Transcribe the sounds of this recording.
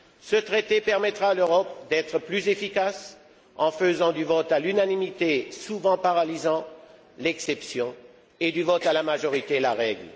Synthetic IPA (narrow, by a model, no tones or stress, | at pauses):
sət̪χet̪epɛʁmɛt̪χaːløʁɔp̚d̪ɛt̪χəplyzefikas | ɑ̃fəzɑ̃d̪yvɔt̪alynanimit̪esuvɑ̃paʁalizɑ̃ | lɛksɛpsjɔ̃ | ed̪yvɔt̪alamaʒɔʁit̪elaʁɛɡl